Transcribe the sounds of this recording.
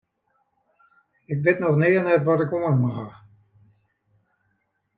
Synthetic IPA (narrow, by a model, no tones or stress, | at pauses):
ɪkʋɪtnɔxnɪːənɛtʋɔtɪkomənmaɦa